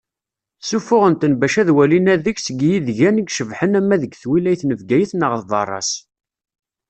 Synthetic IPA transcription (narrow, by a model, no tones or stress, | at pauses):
sufʊʁənt̪ənbæʃæðwælinæðəçsəɡjiðʝænəɡʃəvħənæmːæðəɡθwilæjθnəvɡæjəθnəʁθðˤɑ̰rˤːɑ̰s